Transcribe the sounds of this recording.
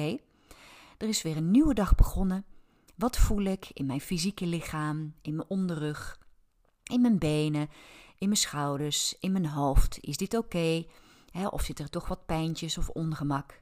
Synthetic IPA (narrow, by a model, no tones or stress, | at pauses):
ej | d̥ərɪsʋɪːɹənːywədɑχbəχɔnə | ʋɑtfulɪkʰɪ̰nmɛjnfizikəlɪχaːmɪnmənʔɔndərøχ | ɪnmɛnbejnəʔɪnmənsχʌwdəɹsɪnmənɦowftɪ̰sdɪtowkej | ɦɛʔɔ̰fsɪtəɹtɔχʋɑt̚pɛjntəsɔfɔnχəmɑk